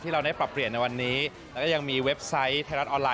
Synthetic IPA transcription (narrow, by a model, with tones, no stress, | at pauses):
t̪ʰiː˥˩ɾa˧wda˥˩jpɾa˨˩pːɾi˨˩ənːa˧jwa˧nːiː˦˥ | lɛː˦˥kɔː˥˩ja˧ŋmiː˧we˦˥p̚sa˦˥jt̪ʰa˧ɾa˦t̪̚ʔɔː˧nlaː˧